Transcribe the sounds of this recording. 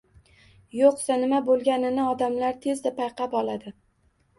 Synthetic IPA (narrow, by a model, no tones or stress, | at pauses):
joqsanɪmabolˠɡʲanɪnɪɒd̪amlaɾt̪ʰe̞zd̪apʰajqʰɑpɒlˠad̪ɪ